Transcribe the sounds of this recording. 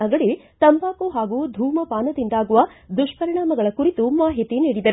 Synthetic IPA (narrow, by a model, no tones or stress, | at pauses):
ɐɡɐɭit̪ɐmpaːkuɦaːɡuːd̪ʱuːmɐpaːnɐd̪ind̪aːɡuʋɐd̪uʂpɐɾiɳaːmɐɡɐɭɐkuɾit̪umaːɦit̪iniːɽid̪ɐɾ